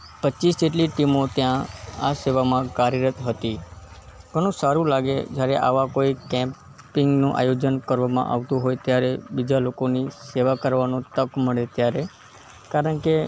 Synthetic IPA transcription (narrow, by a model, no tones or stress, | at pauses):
pətːʃisd͡ʒeʈliʈimot̪jãaseʋamãkaɾiɾət̪ɦət̪i | ɡ̥ʱəɽ̃ũsaɾũlaɡed͡ʒjaɾeʔa̰ʋakoikɛ̃m | pɪŋɡnũʔa̰jod͡ʒənkəɾʋamã̰ʔa̰ʋt̪ũɦojt̪jaɾebid͡ʒalokoniseʋakəɾʋanũt̪əkməɭet̪jaɾe | kaɾəɳke